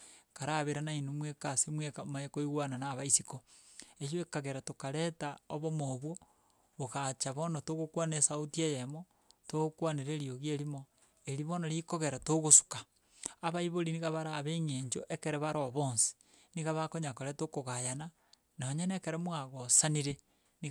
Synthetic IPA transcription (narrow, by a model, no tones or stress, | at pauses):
kaɾaβeɾanainumwekasimwekamaekoiɣwananaβaisiko | eʃoekaɣeɾatokaɾetaoβomoβwo | βoɣat͡ʃaβonotoɣokwanesautiejemo | tokwaneɾeɾioɣieɾimo | eɾiβonoɾikoɣeɾatoɣosu̥ka | aβaiβoɾiniɣaβaɾaːβeɲeːɲd͡ʒoʔekeɾeβaɾoβoːnsi̥ | niɣaβakoɲakoɾetokoɣajana | naoɲenekeɾemoaɣosaniɾe | ni